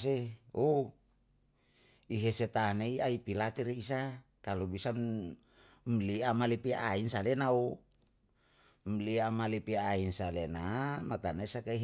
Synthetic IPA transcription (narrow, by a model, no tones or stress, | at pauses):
seo | iɦeset̪aneiaipilat̪iɾiis̬akalubisan | mliamalipiainsalenau | mliamalipiainsalenamat̪anaisakaiɦ